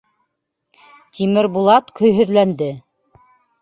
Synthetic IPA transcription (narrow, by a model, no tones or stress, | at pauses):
t̪ʰimɘɾbulˠɑt̪kɵ̆jɦɵ̆ðlænd̪ɘ